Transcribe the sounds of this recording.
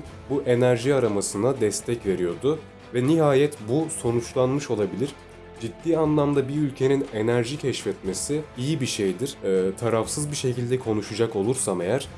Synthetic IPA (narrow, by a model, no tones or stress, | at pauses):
buʔe̞næɾʒiaɾamasɯnad̪ɛst̪ʰɛcve̞ɾijo̞d̪ʊ | vɛniɦaːjɛt̪buso̞nut͡ʃlˠanmɯʃo̞lˠabilʲiɾ̥ | d͡ʒid̪ːiːanlˠamd̪abiylʲcʰe̞nine̞næɾʒicʰɛʃfɛt̪me̞sɪijibiʃe̞jd̪iɾ̥t̪ʰaɾafsɯzbiʃe̞cilʲd̪ɛkʰo̞nuʃud͡ʒako̞lˠuɾsame̞jæɾ̥